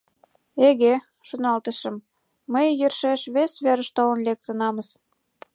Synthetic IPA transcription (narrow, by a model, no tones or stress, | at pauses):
eɣe | ʃonɑlt̪ə̆ʃə̆mː | əjjørʃeʃβesβæɾə̆ʃt̪ɑlə̆nlek̚t̪ə̆nɑmə̆s